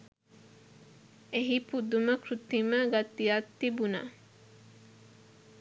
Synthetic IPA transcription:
eɦipud̪uməkɾut̪iməɡat̪ːijat̪ːibuna̰

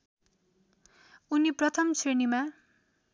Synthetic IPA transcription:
uniprʌt̪ʰʌmt͡sʰenima

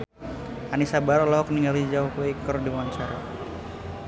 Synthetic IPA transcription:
anisabaɾɔlɔhɔkniŋɡalid͡ʒawpwikərdiwaɲt͡ʃaɾa̰

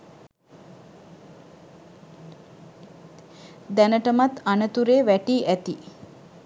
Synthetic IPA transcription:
d̪ænəʈəmat̪anət̪uɾeːʋæʈiːʔæt̪i

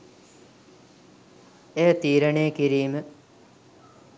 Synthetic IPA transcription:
eːt̪iːɾəɳejəkiɾiːmə

